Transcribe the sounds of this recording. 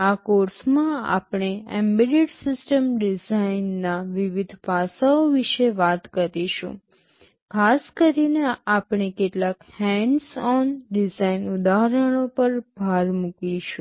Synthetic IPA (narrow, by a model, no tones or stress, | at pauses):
akoɾsmãa̰pɳ̃eɛ̰mbiɖeɖsɪsʈəmɖɪzainːaʋiʋid̪ʱpasaoʋiʃeʋat̪kəɾiʃṵ̃ | kʰaskəɾineapɳ̃ekeʈlakhɛɳɖsɔnɖɪzainʊd̪aɾəɽ̃opəɾbʱaɾmukiʃũ